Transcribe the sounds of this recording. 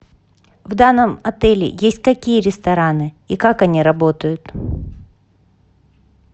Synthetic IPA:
vd̪anːəmɐt̪ɛlʲɪ̰jesʲtʲkɐkʲijəɾʲɪst̪ɐɾanɨ | ikakɐnʲiɾɐbo̞t̪əjʊt̪

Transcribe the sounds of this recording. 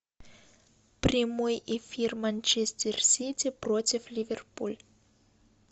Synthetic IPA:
pɾʲɪmojɪfʲirmanʲt͡ʃɛsʲtʲɛrsʲitʲɪprotʲɪflʲivʲɛrpulʲ

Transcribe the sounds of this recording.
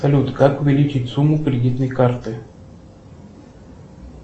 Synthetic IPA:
sɐlʲut̪kakʊvʲɪlʲit͡ʃɪtʲsumːʊkɾʲɪdʲit̪nəjkart̪ɨ

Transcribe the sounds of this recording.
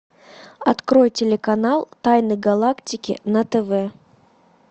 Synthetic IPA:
ɐt̪kɾojtʲɪlʲɪkɐnalˠt̪ajnɨjɡɐlˠaktʲɪkʲɪ̰nət̪ɛvɛ

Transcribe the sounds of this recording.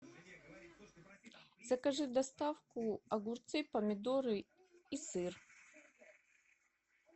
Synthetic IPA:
z̥ɐkaʐɨd̪ast̪afkuaɡurt̪t͡sɨpɐmʲɪd̪oɾɨ | isɨr

